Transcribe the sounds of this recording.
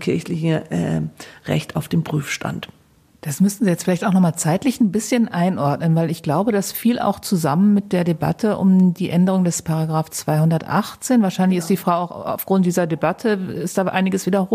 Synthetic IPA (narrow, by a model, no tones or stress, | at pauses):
kʰɪɐçlɪçəɛ̰ʁɛ̰çtaʊfd̥eːmpʁ̥yːfʃta̰nt | d̥asmʏsn̩ziːjɛt͡stfɪlaɪçtaʊxnɔχmaːlt͡saɪtlɪçn̩bɪsçənʔaɪnʔɔɐtnənvaɪlɪçɡ̥laʊbədasfiːla̰ʊxt͡suzamənmɪt̚d̥eːɐdeba̰tʰəʔʊ̰mdiːʔɛndəʁ̞ʊŋdɛspʰaʁaɡʁaːft͡sv̥aɪhʊndɐtʔa̰χt͡seːnvaɐʃaɪnlɪçɪstd̥iːfʁ̥aʊaʊa̰ʊfɡ̥ʁʊnt̚d̥iːzɐdebatʰəɪstd̥aːʔaɪnɪɡəsviːdɐo